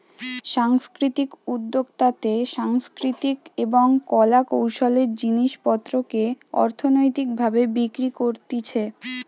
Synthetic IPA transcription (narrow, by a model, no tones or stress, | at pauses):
ʃaŋskɾit̪ikud̪ːoɡt̪at̪eʃaŋskɾit̪ikeboŋkɔlakowʃoleɾd͡ʑiniʃpɔt̪ːɾokeɔ̰ɾt̪ʰonojt̪ik̚bʱabebikɾikoɾt̪it͡ɕʰe